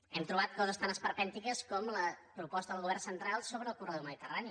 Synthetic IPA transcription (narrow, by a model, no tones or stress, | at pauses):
ɛmt̪ɾuβ̞at̪̚kɔzəst̪anəspəɾpɛnt̪ikəskɔmləpɾupɔst̪əðəlɣuβɛrnsənt̪ɾalˠsoβɾəːlˠkurəðowməðit̪ərani